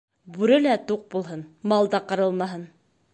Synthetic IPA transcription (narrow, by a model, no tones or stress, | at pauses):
bʉɾɘlæt̪uq̚bulˠɦɤnmɑlˠd̪ɑqɤ̆ɾɤ̆lˠmɑɦɤn